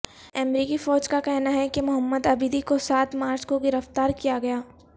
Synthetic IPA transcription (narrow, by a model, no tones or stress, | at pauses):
ɛmɾiːkifɔːd͡ʒkakɛɦnaɦɛkemʊɦəmːəd̪ɐbiːd̪ikosaːt̪maːɾt͡ʃkoɡɪɾəft̪aːɾkijaɡɐjaː